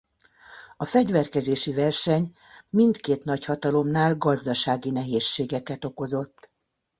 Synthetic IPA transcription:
ɒfɛɟvɛrkɛzeːʃivɛrʃɛɲ | mint̪keːt̪nɒchɒt̪ɒlo̞mnaːlɡɒzd̪ɒʃaːɡinɛɦeːʃːeːɡɛkɛt̪o̞ko̞zo̞t̪ː

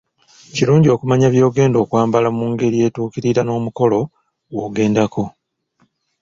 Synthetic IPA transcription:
ciɾuːɲɟio̞ːkumaɲaβjo̞ːɡe̞ːndo̞ːkwaːmbalamuŋɡe̞ɾie̞ːtuːkiɾiɾano̞ːmuko̞lo̞ | wo̞ːɡe̞ːndako̞

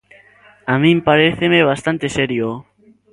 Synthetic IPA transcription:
amĩmpaɾeθemeβ̞ast̪ant̪eseɾjo

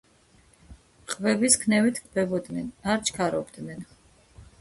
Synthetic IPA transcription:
qʼvɛbiskʰnɛvit̪ʰkʰb̥ɛbɔd̪nɛnaɾt͡ʃʰkʰaɾɔbd̪nɛn

